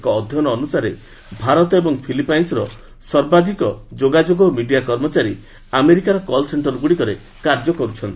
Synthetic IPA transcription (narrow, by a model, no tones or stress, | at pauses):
kɔːd̪ʱjɔnɔːnusaɾe | bʱaɾɔt̪ɔebɔŋpʰilipajnsɾɔ | sɔɾbad̪ʱikɔd͡ʒoɡad͡ʒoɡɔmiɖijakɔɾmɔt͡ʃaɾi | ameɾikaɾɔkɔlseɳʈɔɾɡuɽikɔɾe | kaɾd͡ʒɔkɔɾut͡ʃʰɔnt̪i